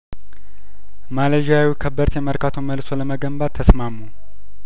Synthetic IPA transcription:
maləʒawikʰəbəɾt̪jɛməɾkat̪ʰoməlso̞ləməɡəmbad̪t̪ʰːəsmamːu

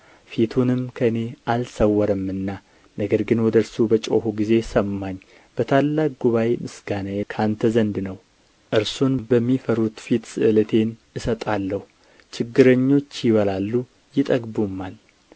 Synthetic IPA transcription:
fit̪ʰunɨmkʰəɨne̞ʔalsəwːɔɾəmːɨnːa | nəɡəɾɡɨnwɔd̪əɾsubət͡ʃʼohuɡize̞səmːaɲː | b̥ət̪ʰalːak̚ʼɡuβajemɨsɡanajekʰant̪ʰəzənd̪nəw | ʔɨɾsunbəmːifəɾut̪fit̪sɨʔɨlət̪ʰe̞nɨsət̪ʼalːəhu | t͡ʃɪɡːɨɾəɲːo̞t͡ʃːjɪβəlalːu | jɪt̪ʼəɡbumːan

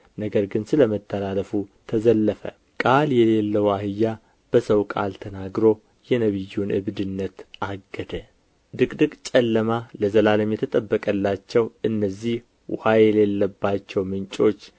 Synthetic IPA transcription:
nəɡəɾɡɨnsɨləmət̪ʰːəlaləfut̪ʰəzəlːəfə̰ | kʼaljɛle̞lːəwahɨjːa | b̥əsəwkʼa̰lt̪ʰənaɡɾo̞ | jɛnəβɨjːunɨ̰βd̪ɨnːət̪aɡːəd̪ə | d̪ɨkʼd̪ɨkʼt͡ʃʼɛlːəmaləzəlaləmjɛt̪ʰət̪ʼəbːəkʼəlːat͡ʃːɛwɨnːəzːih | wʊhajɛle̞lːəbːat͡ʃːɛwmɨnt͡ʃʼo̞t͡ʃː

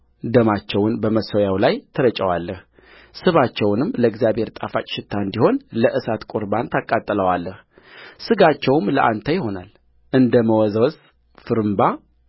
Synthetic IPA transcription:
d̪əmat͡ʃːɛwʊnbəməsojawlajt̪ʰəɾət͡ʃʼəwalːəh | sɨβat͡ʃːɛwnɨmləɪɡzijabheɾt̪ʼafat͡ʃʼʃɪt̪ʰːaɨnd̪iho̞nləʔɨsat̪kʼʊɾbant̪ʰakʼːat̪ʼːələwalːəh | sɨɡat͡ʃːɛwmləʔant̪ʰəjɪho̞nal | ʔɨnd̪əməwɔzwɔs | fɨɾɨmba

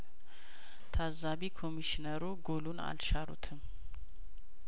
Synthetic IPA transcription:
t̪ʰazaβikʰo̞miʃinəɾuɡo̞luna̰lʃaɾṵt̪ʰɨm

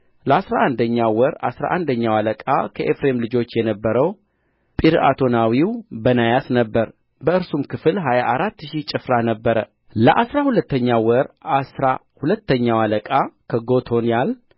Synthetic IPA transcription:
ləasɾaʔand̪əɲːawɔɾa̰sɾa̰ʔand̪əɲːawaləkʼa̰kʰəʔefɾe̞mlɨd͡ʒo̞t͡ʃːjɛnəbːəɾəw | pʼiɾa̰t̪ʰo̞nawiwbənajasnəbːəɾ | bəɨɾsumkʰɨfɨlɦajaʔaɾat̪ːʃit͡ʃʼɪfɾanəbːəɾə̰ | ləʔasɾahulət̪ːəɲːawɔɾasɾa | hulət̪ːəɲːawaləkʼakʰəɡo̞t̪ʰo̞njal

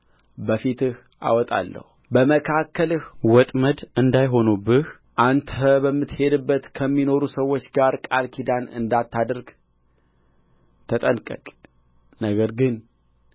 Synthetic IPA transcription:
bəfit̪ɨh | ʔa̰wɔt̪ʼa̰lːə̰hubəməkʰakʰːəlɨhwɔt̪ʼməd̪ɨnd̪ajɦo̞nubɨh | ʔant̪ʰəbəmːɨt̪he̞d̪ɨbːət̪kʰəmːino̞ɾusəwːo̞t͡ʃːɡaɾkʼalkʰid̪anɨ̰nd̪at̪ːad̪ɨɾɡ | t̪ʰət̪ʼənkʼə̰kʼ | nəɡəɾɡɨn

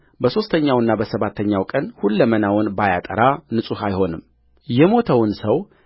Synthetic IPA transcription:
bəso̞st̪ʰəɲːawɨnːabəsəβat̪ʰːəɲːawkʼənhulːəmənawʊnbajat̪ʼəɾanɨsʼuhajho̞nɨm | jɛmo̞t̪ʰəwnsəw

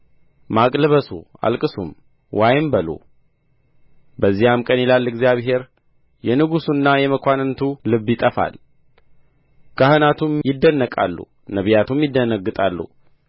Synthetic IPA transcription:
makʼlɨβəsṵa̰lkʼɨsṵm | wʔajɪmbəlṵ | bəzːijamkʼənjilalːɛɡzijaβɦe̞ɾ | jɛnɨɡusunːajɛməkʷanɨnt̪ʰulɨβːjɪt̪ʼəfa̰l | kʰahɨnat̪ʰumjɪd̪ːənːəkʼa̰lːṵ | nəβjat̪ʰumjɪd̪ːənəɡːɨt̪ʼalːṵ

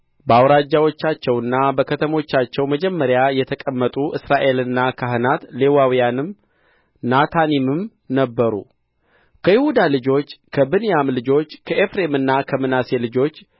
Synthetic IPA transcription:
bəawɾad͡ʒːawo̞t͡ʃːat͡ʃːɛwɨnːabəkʰət̪ʰəmo̞t͡ʃːat͡ʃːɛwməd͡ʒɛmːəɾjajɛt̪ʰəkʼəmːət̪ʼuʔɨsɾaʔe̞lɨnːakʰaɦɨnat̪le̞wawijanɨm | nat̪ʰanimɨm | nəbːəɾṵ | kʰəjɪhud̪alɨd͡ʒo̞t͡ʃːkʰəbɨnjamlɨd͡ʒo̞t͡ʃːkʰəʔefɾe̞mɨnːakʰəmɨnase̞lɨd͡ʒo̞t͡ʃː

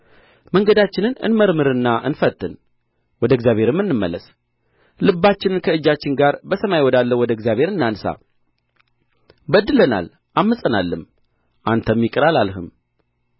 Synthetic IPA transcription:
məŋɡəd̪at͡ʃːɪnɨnɨ̰nməɾmɨɾɨnːaʔɨnfət̪ʰʼːɨn | wɔd̪əɡzjaβhe̞ɾɨmːɨnːɨmːə̰lːəs | lɨbːat͡ʃːɪnɨnkʰəɨd͡ʒːat͡ʃːɪnɡaɾbəsəmajwɔd̪alːəwɔd̪əɡzjaβhe̞ɾɨnːansa̰ | bəd̪ːɨləna̰l | ʔamːɨsʼənalːɨm | ʔant̪ʰəmːikʼɨɾalalhɨm

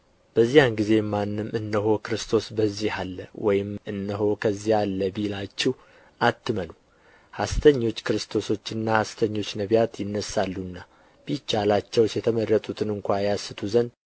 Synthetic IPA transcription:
b̥əzːijanɡize̞manːɨmʔɨnːəɦo̞kɨɾɨst̪ʰo̞sbəzːihalːə̰wɔ̰jɪmɨnːəɦo̞kʰəzːihalːəbilat͡ʃːɛh | ʔat̪ːɨmənu | hast̪ʰəɲːo̞t͡ʃːkɨɾɨst̪ʰo̞so̞t͡ʃːɨnːahast̪ʰəɲːo̞t͡ʃːnəβjat̪jɪnːəsːalːunːa | b̥it͡ʃːalat͡ʃːɛwsjɛt̪ʰəmərːət̪ʼut̪ʰɨnɨŋkʷajasːɨt̪ʰuzən

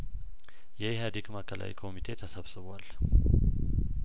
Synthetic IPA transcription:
jɛjɦad̪ikʼmakʰʼːala̰ʔḭkʰomit̪ʰet̪ʰasaβsɨβal

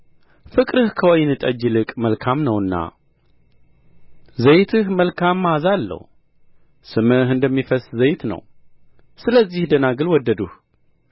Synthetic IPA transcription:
fɨkʼɾɨhkʰəwɔjnɨt̪ʼəd͡ʒːɨlɨkʼməlkʰamnəwɨnːa̰ | zəjt̪ʰɨhməlkʰamːazalːə̰h | sɨmɨɦɨnd̪əmːifəszəjt̪nə̰w | sɨləzːihd̪ənaɡɨlwɔd̪ːəd̪uh

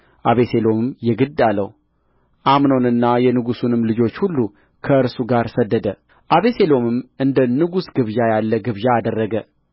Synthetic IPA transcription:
ʔaβe̞se̞lo̞mɨmjɛɡɨd̪ːalːəhu | ʔamnonɨnːajɛnɨɡusunɨmlɨd͡ʒo̞t͡ʃːhulːu | kʰəɨɾsuɡaɾsəd̪ːəd̪ə | ʔaβe̞selo̞mɨmʔɨnd̪ənɨɡusɡɨβʒajalːəɡɨβʒaːd̪ərːəɡə

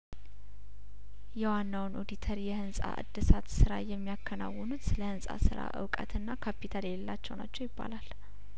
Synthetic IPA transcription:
jɛwanːawnʔo̞d̪it̪ʰəɾjɛhɨnsʼa̰ʔɨ̰d̪ːɨsat̪sɨɾajɛmːijakʰːəna̰wːɔnut̪sɨləhɨnsʼa̰sɨɾa̰ʔɨ̰wkʼə̰t̪ɨnːakʰapit̪ʰaleɛlːat͡ʃːɛwnat͡ʃːɛwjɪbːa̰lal

